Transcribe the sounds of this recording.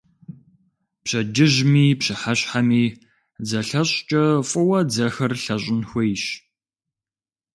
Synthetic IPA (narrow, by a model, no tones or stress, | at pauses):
pɕɐd͡ʒɪʑmiːpɕɪħaɕħamiː | d͡zɐɬɐɕʼt͡ʃʼɐfʼʊwɐd͡zɐxɐrɬɐɕʼɪnxʷejɕ